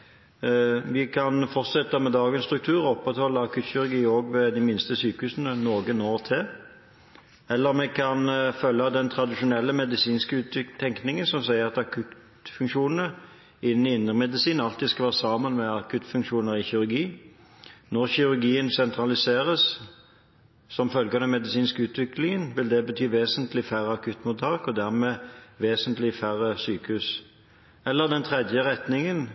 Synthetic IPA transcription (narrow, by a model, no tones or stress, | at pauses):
ʋɪkʰɑnfɔʁt̪sɛt̪ːəmɛd̪ɑːɡənst̪ɾʉk̚t̪ʰʉːʁɔɔpːʁɛt̪hɔlːəɑkʰʉt̪çɪʉɾɡiːoːɡʋɛd̪ɪmɪnst̪əsyːkəhʉːsənənoːɡənoːʁt̪ʰeː | ɛlːəʁmɛkʰɑnfœlːɑd̪ɛnt̪ʰɾɑd̪ɪʃʊnɛlːəmɛd̪ɪsiːnskəʉːt̪ʏt̪ʰːɛŋknɪŋənsɔmsæɪəʁɑt̪ɑkʰʉt̪ | fʉŋkʂuːnənə | ɪnːn̩ɪɪnːəʁmɛd̪ɪsiːnɑlt̪ɪd̪skɑʋæːʁəsɑːmənmɛɑkʰʉt̪ːfʉŋkʂuːnəʁɪçɪʉɾɡiː | nɔʁçɪʉʁɡiːənsɛnt̪ʰʁɑlɪseːʁəs | sɔmfœlɡɑnəmɛd̪ɪsiːnskəʉːt̪ʋɪklɪŋənʋɪld̪ɛbət̪ʰyːʋeːsənt̪lɪfæʁəɑkʰʉt̪ːmʊt̪ʰɑːkɔd̪æʁmeːʋeːsənt̪lɪfæʁəsyːkʉs | ɛlːəʁd̪ɛnt̪ʰʁɛd̪jəʁɛt̪nɪŋən